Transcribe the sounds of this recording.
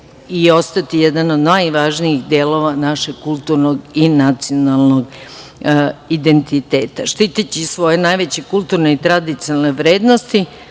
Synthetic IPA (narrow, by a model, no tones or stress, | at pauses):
io̞st̪at̪ijed̪ano̞d̪najʋaːʒniixd̪eːlo̞ʋanaʃeɡ̚kulˠt̪uɾno̞ɡinat̪sio̞nalˠno̞ɡ | id̪e̞nt̪it̪e̞ːt̪aʃt̪iːt̪at͡ɕisʋo̞je̞najʋet͡ɕekulˠt̪uɾne̞it̪ɾad̪it̪sinalneʋɾe̞ːd̪no̞st̪i